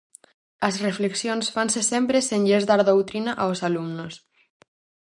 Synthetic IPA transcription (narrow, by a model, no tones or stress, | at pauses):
azrefleksjonsfansesempɾeseɲʎezdaɾðowt̪ɾinaʔaosalumnos